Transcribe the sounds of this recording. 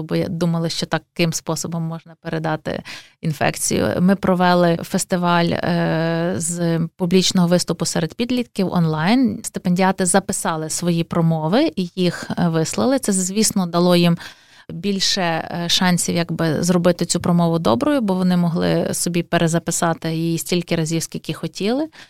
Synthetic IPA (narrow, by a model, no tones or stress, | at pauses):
bɔj̰d̪umɐlˠɪʃt͡ʃɔt̪ɑkkɪmspɔsɔbɔmːɔʒnɐpeɾed̪ɑt̪ɪ̰ | infɛ̰kt͡sʲḭjʊ̰mɪpɾɔʋɛlˠɪfest̪ɪʋɑlʲ | zpublʲit͡ʃnɔɦɔʋɪst̪ʊpʊsɛɾed̪̥pʲid̪lʲit̪kʲiwɔ̰nlˠɑjnst̪ɪpenʲdʲiɑt̪ɪzɐpɪsɑlˠɪsʋɔjipɾɔmɔʋɪijixʋɪslˠɐ̰lˠɪt̪sɛzʲʋʲisnɔd̪ɐlˠɔjim | bʲilʲʃɛʃɑnʲsʲiwjɐɡbɪ̰zrɔbɪt̪ɪt͡sʲupɾɔmɔʋʊd̪ɔbɾɔjʊbɔʋɔnɪmɔɦlˠɪ̰sɔbʲipeɾʔezɐpɪsɑt̪ɪjijisʲtʲilʲkɪɾɐzʲiwskʲilʲkʲixɔtʲilˠɪ